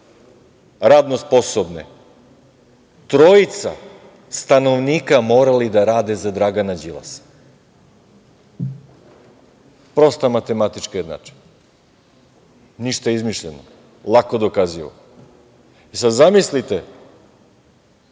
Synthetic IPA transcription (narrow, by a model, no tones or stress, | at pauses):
ɾaːd̪nospo̞sobnḛ | t̪ɾo̞it̪sa̰ | st̪ano̞ʋniːkamo̞ːɾalid̪aɾaːd̪e̞zad̪ɾaɡanad͡ʑila̰s | pɾo̞st̪amat̪e̞mat̪it͡ʃkejed̪na̰t͡ʃe̥ | niʃt̪aeizmiʃʎeno̰ | lˠakod̪o̞kaziʋo̰ | isad̪zamislit̪e